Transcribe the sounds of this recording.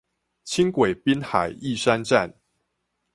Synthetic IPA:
t͡ɕʰi˦ŋkwe˨˩ɪpi˦nxa̰˨˩ɪi˥˨ʂa˦nʈ͡ʂa̰˥˨n

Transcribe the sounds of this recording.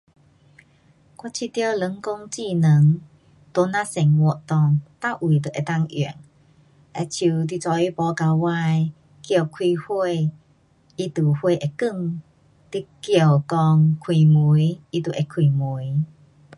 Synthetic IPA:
kwa˧˥t͡ɕʰi˧t̪jə˧lə˨˦ŋko˧ŋt͡ɕi˧nə˨˦ŋ | t̪o˧˦nã˧˨sɛ˨˩ŋwɔ˨˧˨ʔt̪ɔ˨˧ŋt̪a˥˧˩ʔwi˨˩t̪ə˨ʔe˨˩t̪a˥˧˨ŋʔḭ˨ŋ | ʔe˧t͡ɕʰu˧t̪̬i˧˨t͡sɔ˧i˧˦pɔ˧˦ka˧wa˧j | kjə˧˨kʰwi˧hwe˥˧ | i˧t̪u˨˩hwe˥˧˨ʔe˨kɨ˥˧˨ŋ | t̪i˧kjə˧˩wkɔ˧ŋkʰwi˨˩mu˨˦ji˧˥t̪u˨˩ʔe˧˩kʰi˨˩mu˨˦j

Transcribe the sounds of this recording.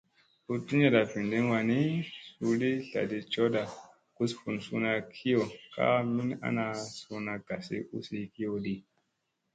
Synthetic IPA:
u˨˧ti˦ɲa˨ɗa˨fi˨ndi˦n˦wa˨ni˦su˧ɗi˦ɬa̰˨di˨t͡ʃo˦da˨ | ku˦sfu˨nsu˦na˧kʰi˦jo˨ka̰˦mi˦na̰˦na˧su˧na˨ɡ̥a˨sḭ˦ṵ˦si˦ki˦o˧ɗi˦

